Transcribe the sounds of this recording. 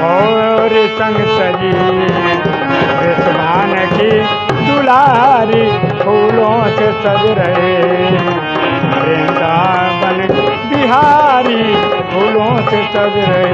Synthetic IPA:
ɔːɾsɐ̃ŋɡsɐd͡ʒi | esmaːnki | d̪ulaɾibʱuːlõsesɐbɾɐɦe | ɾẽd̪aːbɐnbiɦaɾibʰʱuːlõsesɐbɾɐɦe

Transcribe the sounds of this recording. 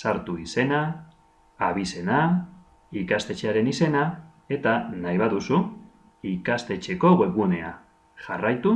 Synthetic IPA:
saɾt̪uise̞naː | β̞ise̞na | ikast̪e̞t͡ʃeaɾe̞nise̞na | e̞t̪anajβaðusu | ikast̪e̞t͡ʃe̞ko̞ɣe̞ɣune̞a | ʝarajt̪u

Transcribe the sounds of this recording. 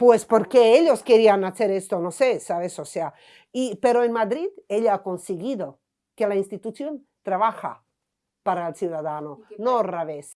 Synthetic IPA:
pwespoɾkeeʎoskeɾianaθeɾest̪onosesaβesosea | ipeɾoenmad̪ɾiðeʎaakonseɣiðo | kelainst̪it̪uθjon | t̪ɾaβaxa̰ | paɾaelsjuðaðanonoraβes

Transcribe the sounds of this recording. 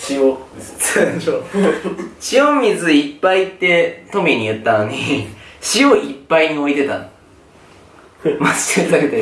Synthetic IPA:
ɕio | o | ɕiõmʲizɨipːait̪ːe̞t̪o̞mʲiɲ̟iɯ̟t̪ːano̞ɲ̟iɕioʔipːaiɲ̟io̞it̪e̞t̪ã̰ | mazɨ̥tɯt̪ːaket̪e

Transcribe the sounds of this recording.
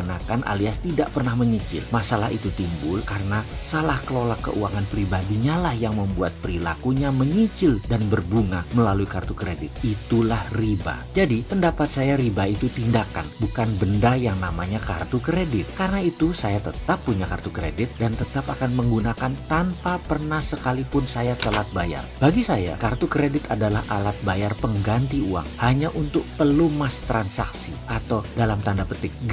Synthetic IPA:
nakanʔa̰liast̪idaʔpərnahməɲit͡ʃɪ̰lmasalaɦit̪ut̪imbʊlkarənasalahkəlolakːə̰ʔuaŋanpɾibadiɲalahjaŋməmbuat̪̚pəɾila̰kuɲaməɲit͡ʃɪldanbərbuŋaməlaluikart̪ukɾedɪt̪̚it̪ulahriba̰d͡ʒadipəndapat̪̚sajaɾibait̪ut̪indaka̰nbukanbəndajaŋnamaɲaka̰rt̪ukɾedɪt̪̚karənait̪usajat̪ət̪apːuɲakart̪ukɾḛdɪt̪̚dant̪ət̪apakanməŋɡunakant̪anpapərnahsəkalipʊnsajat̪əlat̪̚baja̰rbaɡisaja̰kart̪ukɾedɪt̪adalahʔalat̪̚bajarpəŋɡant̪iua̰ŋhaɲaʔunt̪ʊk̚pəlumast̪ɾansaksḭʔat̪awdalamt̪andapət̪ɪk̚

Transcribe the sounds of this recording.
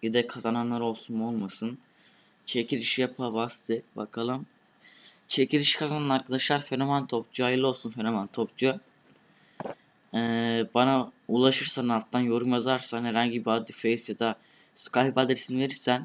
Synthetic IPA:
jid̪ɛkʰazananlˠaɾo̞lˠsunmolˠmasɯn | t͡ʃʰecʰiɾiʃijapʰabast̪ʰɯbakʰalˠɯm | t͡ʃʰe̞ciɾiʃi̥kʰazananaɾkʰad̪aʃlˠaɾfenomant̪ʰo̞p̚d͡ʒuajɯlˠɯolˠsunfenomant̪ʰo̞p̚d͡ʒu | ɛːbanaulˠaʃɯɾsanalˠt̪ʰːanjo̞ɾumjazaɾsanhɛɾaɲɟibiad̪ifejisjad̪a | sɯ̥kʰahibaːd̪eisinive̞ɾiɾsæn

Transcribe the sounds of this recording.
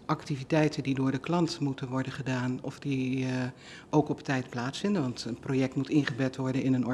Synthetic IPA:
ʔɑktivitɛjtəndidʊːɹdəklɑntmutənʋɔɹdəχədaːnɔfdi | ʔowkɔptɛjtplaːtsfɪndənʋɑntənproːjɛk̚tmutɪnχəbɛtʋɔɹdənɪnənɔ

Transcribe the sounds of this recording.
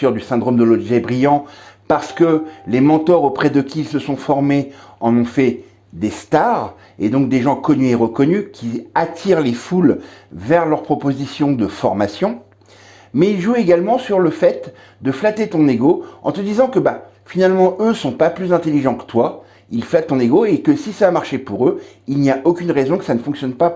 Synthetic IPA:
œʁd̪ysɛ̃d̪ʁomd̪əlɔd̪ʒɛbʁijɑ̃paʁsə̥kəlemɑ̃t̪ɔʁopχɛd̪əkʲiːlsəsɔ̃fɔʁmeɑ̃nɔ̃fɛ | d̪est̪aʁ | ed̪ɔ̃k̚d̪eʒɑ̃kɔnyeʁəkɔnykʲiat̪ʰiʁlefulvɛʁlœʁpχɔpozisjɔ̃d̪əfɔʁmasjɔ̃ | mɛilʒueɡalmɑ̃syʁləfɛt̪ | d̪əflat̪et̪ɔ̃neɡoɑ̰̃t̪əd̪izɑ̃kəba | finalmɑ̃ʔøsɔ̃paplyzɛ̃t̪eliʒɑ̃kə̥t̪wa | ilflat̪ːɔ̃neɡoekəsisavamaʁʃepuʁø | ilniaʔokʲynʁezɔ̃kə̥sanəfɔ̃ksjɔnpa

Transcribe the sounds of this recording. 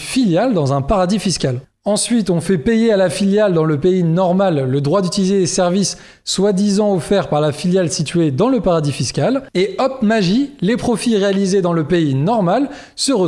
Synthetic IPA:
filjald̪ɑ̃zɛ̃paʁad̪ifiskʲal | ɑ̃sɥit̪ɔ̃fɛpejealafiljald̪ɑ̃ləpeinɔʁmalːəd̪ʁwad̪yt̪ilized̪esɛʁvisː | wad̪izɑ̃ɔfɛʁpaʁlafiljalsit̪ɥed̪ɑ̃ləpaʁad̪ifiskʲaleɔpmaʒilepχɔfiʁealized̪ɑ̃ləpeinɔʁmal | səʁə

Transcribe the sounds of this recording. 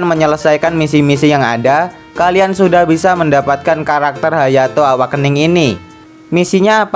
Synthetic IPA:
nməɲələsajkanmisimisijaŋa̰da | kaliansudahbisaməndapat̪̚kankaɾak̚t̪ərɦajat̪oawakːənɪŋini | misiɲa

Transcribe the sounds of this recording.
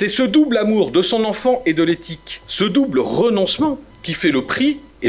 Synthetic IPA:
sɛsəd̪ublamuʁd̪əsɔ̃nɑ̃fɑ̃ʔed̪əlet̪ʰiksəd̪ubləʁənɔ̃smɑ̃ | kʲifɛləpχi | e

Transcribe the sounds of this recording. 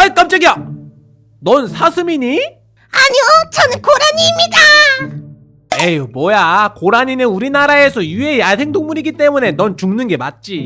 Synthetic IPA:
aek͈amt͡ɕ͈aɡija | nʌnsʰasʰɯmiɲi | aɲiot͡ɕʌnɯnkoɾaɲiːmɲida | ejomwʌjakoɾaɲinɯnuɾinaɾae̞sʰʌjue̞iasʰe̞ŋdoŋmuɾiɡit͈e̞mune̞nʌnt͡ɕuŋnɯnɡe̞mat̚t͡ɕ͈i

